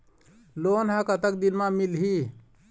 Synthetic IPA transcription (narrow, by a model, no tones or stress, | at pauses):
loːnɦãkət̪əkd̪inmãmilɦi